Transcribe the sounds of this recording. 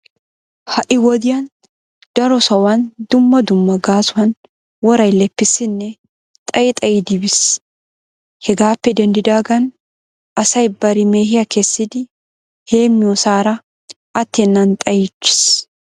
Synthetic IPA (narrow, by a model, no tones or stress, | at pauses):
hɐʔɪwɔd̪ɪjɐn | d̪̥ɐɾɔsɐwɐnd̪ʊmːɐd̪ʊmːɐɡaːsʊwɐn | wɔɾɐjlɛpːɪsːɪnːɛ | t̪ʼɐjɪt̪ʼɐjɪd̪ɪbɪs | hɛɡaːpːɛd̪ɛnd̪ɪd̪aːɡɐn | ɐsɐjbɐɾɪme̞ːhɪjɐkɛsːɪd̪ɪ | he̞ːmːɪjɔsaːɾɐ | ʔɐt̪ːɛnːɐnt̪ʼɐjɪt͡ʃːɪ̥s